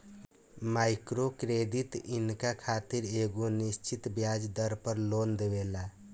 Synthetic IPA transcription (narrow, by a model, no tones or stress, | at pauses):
majkɾokɾed̪it̪inkakʰat̪iɾeɡonist͡ʃit̪bjad͡ʒd̪əɾpəɾlond̪eβela